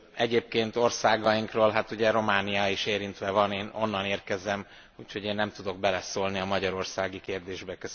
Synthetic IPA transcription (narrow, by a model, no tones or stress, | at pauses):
ɛɟeːp̚keːnt̪o̞rsaːɡɒjiŋkroːlɦat̪uɟɛɾo̞maːnijaiʃeːɾint̪ʋɛvɒneːno̞nːɒneːrkɛzɛm | uːcho̞ɟeːnːɛmt̪ud̪o̞ɡ̚bɛlɛsoːlniɒmɒɟɒɾo̞rsaːɡikeːrd̪eːʒbɛkø